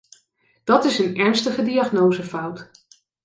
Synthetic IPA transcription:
d̥ɑtɪsənɛɹnstəχədiaχnowzəfʌwt

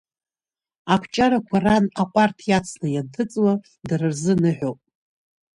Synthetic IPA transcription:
akʷʰt͡ʃʼaɾakʷʰaranakʷʼartʰjat͡sʰnajantʰɨt͡sʼwa | drɨrzɨnɨħʷᶣopʼ

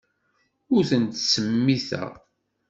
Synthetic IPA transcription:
ʊɾθənt̪səmːiθæ̰

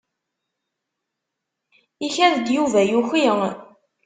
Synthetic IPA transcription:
içæðd̪juvæjuxi

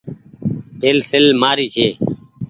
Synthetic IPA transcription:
peːlselmaːɾiːkʰeː

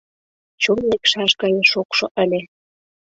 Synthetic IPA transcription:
t͡ɕonlekʃɑʃɡɑjeʃokʃoʔə̆lʲĕ

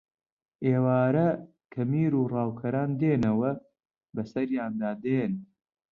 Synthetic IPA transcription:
ʔeːwaːɾɐ | kʰɐmiːɾuːrɑːwkʰɐɾaːnd̪eːnɐwɐ | bɐsɐɾjaːnd̪aːd̪eːn

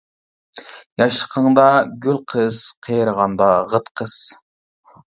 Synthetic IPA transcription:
jɑʃqʰəɴd̪ɑɡɵlqʰɯz̥qʰijəɾʁɑnd̪ɑʁət̪qʰəz̥

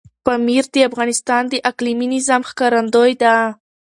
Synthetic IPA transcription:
pamiɾd̪əafɣɑnɪst̪ɑnd̪əʔakliminizamxkɑɾand̪ojd̪a

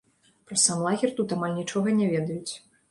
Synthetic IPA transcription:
pɾɐsamlˠaɣʲɛrt̪ut̪amalʲnʲit͡ʂɔɣɐnʲɛvʲɛd̪ɐjut͡sʲ

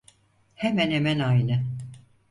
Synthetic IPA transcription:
hemænhemænajnɯ

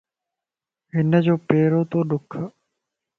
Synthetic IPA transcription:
ɦɪnəd͡ʑoːpeːɾoːt̪oːɗʊkʰə

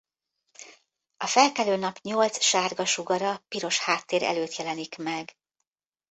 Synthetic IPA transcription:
ɒfɛlkɛløːnɒpɲolt̪sʃaːrɡɒʃuɡɒɾɒpiɾo̞ʃhaːt̪ːeːɾɛ̰løːt̪jɛlɛnikmɛɡ

